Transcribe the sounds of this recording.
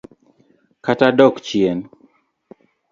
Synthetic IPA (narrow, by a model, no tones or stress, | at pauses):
katadɔkt͡ʃjɛn